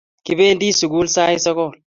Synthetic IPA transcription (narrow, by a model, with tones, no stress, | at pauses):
ki˨beː˦nd̪i˦sʊ˨ɡuː˦lsaː˦ji˦sɐ˦ko˨